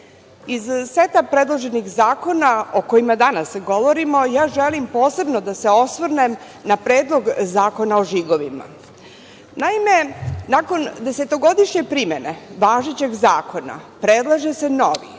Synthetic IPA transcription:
izset̪apɾed̪lˠoʒe̞nixzaːko̞naoko̞imad̪anasɡo̞ʋo̞ɾimo̞jaːʒelimpo̞ːse̞bnod̪ase̞o̞sʋɾnem | napɾeːd̪lˠo̞ɡzaːko̞naoʒiɡo̞ʋima̰ | naime̞nako̞nd̪e̞set̪o̞ɡo̞d̪iʃɲe̞pɾime̞neʋaːʒet͡ɕe̞ɡzaːko̞na̰pɾed̪lˠaʒese̞no̞ʋḭ

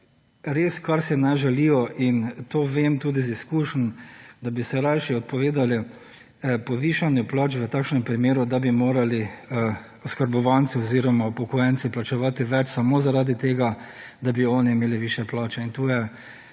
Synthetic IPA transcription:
ɾeskaɾsɛnaʒɛliːjɔʔint̪oːʋemt̪uːd̪iziskuːʃnd̪abisɛɾajʃɛɔt̪̚pɔʋeːd̪ali | pɔʋiːʃanjɛplɔːt͡ʃʋət̪aːkʃnɛmpɾimeːɾud̪abimoːɾali | ɔskəɾbɔʋant̪siɔziːɾɔmapɔkɔjɛntsiplat͡ʃɛʋat̪iʋɛt͡ʃsamoːzaɾaːd̪it̪eːɡad̪abiɔniːmeːliʋiːʃjɛplɔːt͡ʃɛint̪uːjɛ

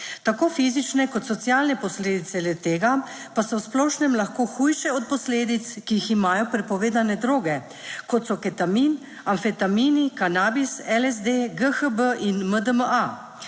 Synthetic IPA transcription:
t̪akoːfiːzit͡ʃnɛkɔt̪sɔt̪sjaːlnɛpɔsleːd̪it̪sɛlɛt̪eːɡa | pasɔwsplɔʃnɛmlaxkoːxuːjʃɛɔt̪̚pɔsleːd̪it̪skijiximaːjɔpɾɛpɔʋeːd̪anɛd̪ɾoːɡɛ | kɔt̪sɔkɛt̪amiːn | anfɛt̪amiːnikanaːbisɛlɛzd̪eːɡəxəbəʔinməd̪əməa

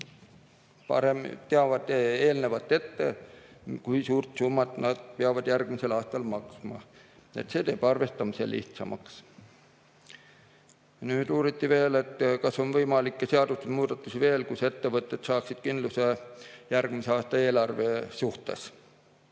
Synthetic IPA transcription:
pɑ̰ɾemt̪eɑvɑd̪̥eeːlne̞vɑt̪ːe̞t̪ːe̞ | kujsuːrt̪sumːɑt̪nɑd̪̥̚peɑvɑd̪jærɡ̥mise̞lɑːst̪ɑlmɑksmɑ̰e̞̰t̪se̞ːt̪e̞ːb̥ɑrve̞st̪ɑmisḛlḭht̪sɑ̰mʔɑ̰ks | nyːd̪̥uːɾit̪ːive̞ːle̞t̪kɑso̞nvɤjmɑlikːeseɑd̪ust̪usmuːd̪̥ɑt̪ːˑusive̞ːlkuse̞t̪ːe̞vɤt̪ˑːe̞t̪sɑːksid̪̥̚kind̪lusejærɡ̥miseɑːst̪ɑe̞ːlɑrve̞suht̪e̞̰s

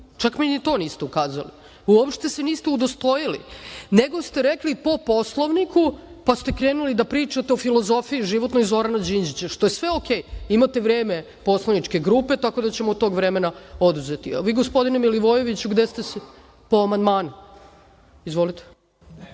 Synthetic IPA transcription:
t͡ʃakminit̪o̞ːniːst̪e̞ukaːzali | uopʃt̪e̞se̞niːst̪eud̪ost̪o̞jilḭneɡo̞st̪eɾeklipo̞po̞slˠoʋnikʰupast̪e̞kɾeːnulid̪apɾiːt͡ʂat̪eo̞filˠo̞zo̞fiiʒiʋot̪no̞jzo̞ɾanad͡ʑind͡ʑit͡ɕaʃt̪o̞je̞sʋe̞oke̞jimat̪e̞ʋɾeːme̞ | po̞slˠoʋnit͡ʃke̞ɡɾuːpe̞t̪ako̞d̪at͡ɕe̞mot̪o̞ːɡʋɾemenaod̪uze̞t̪iʋiːɡospo̞d̪inemiliʋo̞je̞ʋit͡ɕuɡd̪est̪e̞se | po̞amand̪maːnu | izʋo̞lit̪e̥

